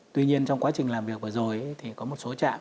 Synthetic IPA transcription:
t̪wi˧ɲi˧ənt͡ɕɔ˧wŋ͡mkwaː˨˦t͡ɕï˨˩ŋ̟laː˨˩mvi˨˩ək̚vəː˨˩zo˨˩jt̪ʰi˨˩kɔ˨˦mo˨˩t̚so˨˦t͡ɕa̰ː˧˨m

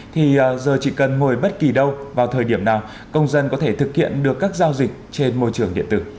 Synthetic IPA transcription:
t̪ʰi˨˩˨zəː˨˩t͡ɕḭ˧˨kə˨˩nŋo˨˩jɓə˦˥t̚ki˨˩ɗə˧wvaː˨˩wt̪ʰəː˨˩jɗi˧˩əmnaː˨˩w | kə˧wŋ͡mzə˧nkɔ˨˦t̪ʰe˧˩t̪ɨ˨˩k̚hḭ˧˨ənɗɨ˨˩əkːaː˦˥k̚zaː˧wzï˨˩k̟̚t͡ɕe˧nmo˧jt͡ɕɨ˨˩əŋɗḭ˧˨nt̪ɨ̰˧˩

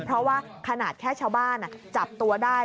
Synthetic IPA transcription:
pʰɾɔ˦˥waː˥˩ | kʰa˧naː˨˩t̪̚kʰɛː˥˩t͡ɕʰaː˧˩wbaː˥˩nʔa˨˩t͡ɕa˨˩p̚t̪u˧ɐdaː˥˩

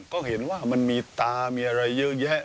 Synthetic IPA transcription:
kɔː˥˩he˩˦nwaː˥˩ma˧nmiː˧t̪aː˧miː˧ʔa˧ɾa˧jːɤ˦˥ʔjɛ˦˥ʔ

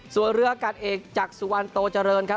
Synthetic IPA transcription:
su˨˩ənɾɯ˦˥ɐka˨˩t̪̚ʔeː˨˩k̚t͡ɕaː˨˩k̚su˨˩wa˧nt̪oː˧t͡ɕa˧ɾɤː˧nkʰ

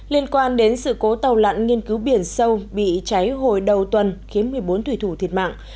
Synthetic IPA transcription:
li˧ənkwaː˧nɗe˨˦nsɨ̰˧˨ko˨˦t̪ə˨˩wla̰˧˨nŋi˧ənkɨ˨˦wɓi˧˩ənsə˧wɓḭ˧˨t͡ɕa˨˦jɦo̰˧˨˩jɗə˨˩wt̪wə˨˩nxi˨˦ənmɨ˨˩əjɓo˨˦nt̪wi˧˩t̪ʰu˧˩t̪ʰi˨˩ət̚ma̰ː˧˨ŋʔ

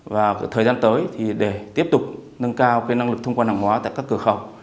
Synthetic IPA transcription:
vaː˨˩t̪ʰəː˨˩jzaː˧nt̪əː˨˦jt̪ʰi˨˩ɗe˧˩t̪i˦˥əp̚t̪ʊ˨˩k͡p̚nə˧nkaː˧wkaː˨˦jna˧ŋlɨ˨˩k̚t̪ə˧ŋ͡mkaː˧nhaː˧˩ŋhwaː˨˦t̪a̰ː˧˨jkaː˦˥kːɨ˧˩əxə˨˩w

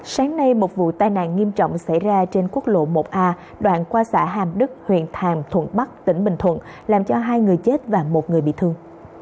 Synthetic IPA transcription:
saː˨˦ŋna˧jmo˨˩t̚vṵ˧˨t̪aː˧˩jna̰ː˧˨nŋi˧əmt͡ɕɔ̰˧˨wŋ͡msa̰˧˩jzaː˧t͡ɕe˧nku˦˥ək̚lo̰˧˨mo˨˩p̚ʔaː˧ | ɗwa̰ː˧˨nkwaː˧sa̰ː˧˥ɦaː˨˩mɗɨ˦˥k̚hwḭ˧˨ənt̪ʰaː˨˩ŋt̪ʰwə̰˧˨nɓa˦˥k̚t̪ï˧˩ŋ̟ɓï˨˩ŋ̟t̪ʰwə̰˧˨n | laː˨˩mt͡ɕɔ˧ɦaː˧jŋɨ˨˩əjt͡ɕe˦˥t̚vaː˨˩mo˨˩t̚ŋɨ˨˩əjɓḭ˧˨t̪ʰɨ˧əŋ

